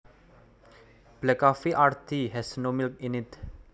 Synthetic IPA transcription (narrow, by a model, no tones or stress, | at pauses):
b̥lɛkafiʔaɾt̪ʰiɦɛsənomilk̚inɪt̪